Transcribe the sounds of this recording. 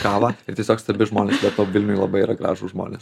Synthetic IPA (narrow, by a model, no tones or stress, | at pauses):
kɑːʋɑɪɾtʲiɛsʲoːkst̪ɐbʲɪʒmoːnʲeːsbʲɛt̪t̪oːʋʲɪlʲnʲʊjlˠɐbɐɪiːɾɐɡɾɑ̰ːʒʊʒmo̰ːnʲḛːs